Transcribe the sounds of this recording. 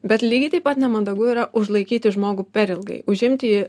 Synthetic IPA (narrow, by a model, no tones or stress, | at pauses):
bʲɛt̪lʲiːɡʲɪt̪ɐɪpɐt̪nʲɛmɐnd̪ɐɡuiːɾɐʔʊʒlˠɐɪkʲiːt̪ʲɪʒmoːɡupʲɛɾʲɪlˠɡɐ̰ɪʊʒʲɪmʲt̪ʲɪji